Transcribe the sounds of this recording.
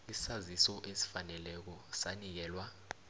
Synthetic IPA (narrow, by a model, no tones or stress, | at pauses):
isi̥sazisɔʔesi̥fanɛlɛk̬ɔsanik̬ɛːlwa